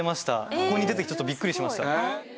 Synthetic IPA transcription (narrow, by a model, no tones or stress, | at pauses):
emaɕi̥t̪a̰kiko̞ɲːid̪e̞t̪ekʲi̥t͡ɕo̞t̪ːobʲikːɯ̟ɾʲiɕimaɕi̥t̪a